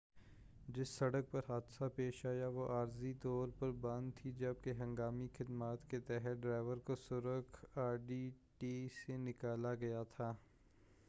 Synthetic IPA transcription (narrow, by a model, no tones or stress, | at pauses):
d͡ʒɪsːɐɽək̚pɐɾɦaːd̪sapeːʃaːjaʋoʔaːɾzit̪ɔːɾpɐɾbɐ̃nd̪t̪ʰid͡ʒɐb̚keɦɐ̃ŋɡaːmixɪd̪maːt̪ket̪ɛɦət̪ɖɾaːɪʋəɾkosʊɾəkʰaːɾɖiːʈiːsenɪkaːlaɡɐjat̪ʰaː